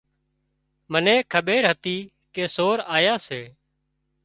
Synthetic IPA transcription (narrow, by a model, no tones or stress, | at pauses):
mənẽːkʰəɓeːɾɦət̪iː | keːsoːɾaːjaːseː